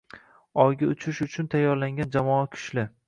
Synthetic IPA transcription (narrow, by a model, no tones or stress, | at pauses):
ɒjɡʲaʊt͡ʃʰɪʃʊt͡ʃʰʊnt̪ʰajːɒɾlaŋɡʲand͡ʒamɒakʲʰʊ̥ʃlɪ